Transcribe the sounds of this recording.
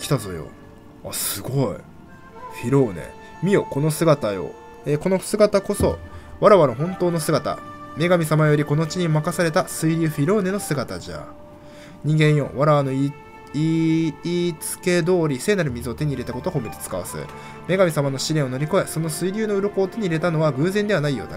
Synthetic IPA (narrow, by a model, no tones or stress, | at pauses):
kʲi̥t̪azojo̞̰ | a̰sɨɡo̞ḭ | ɸʲiɾo̞ːne̞̰ | mʲio̞ko̞no̞sɨɡat̪ajo̞̰ | eko̞no̞sɨɡat̪ako̞so̞βaɾaβanoɦõ̞nt̪o̞ːno̞sɨɡat̪a̰ | me̞ɡamʲisamajo̞ɾʲiko̞no̞ɯt͡ɕiɲ̟imakasaɾe̞t̪asɨiɾʲɨːɸʲiɾo̞ːne̞no̞sɨɡat̪aʑa̰ | ɲ̟ĩŋɡẽ̞ɰ̃jo̞̰βaɾaβano̞i | iː | t͡sɨ̥ke̞d̪o̞ːɾʲise̞ːnaɾɯ̟mʲizɨot̪e̞ɲ̟iɾe̞t̪ako̞t̪o̞komeɾʲi̥t͡sɨ̥ka̰βa̰sɨ̰ | me̞ɡamʲisamano̞ɕiɾeɰ̃o̞no̞ɾʲiko̞eso̞no̞sɨiɾʲɨːno̞ɯ̟ɾo̞ko̞ːt̪e̞ɲ̟iːɾe̞t̪ano̞βaɡɯ̟ːzend̪e̞βanaijo̞̰ːd̪a̰